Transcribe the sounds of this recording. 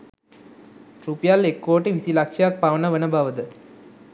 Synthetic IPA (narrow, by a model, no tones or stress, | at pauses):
ɾupjaːlekːoːʈːiʋisilɐkʂjak̚paʋɐnɐʋɐnɐbʱaʋɐd̪ɨ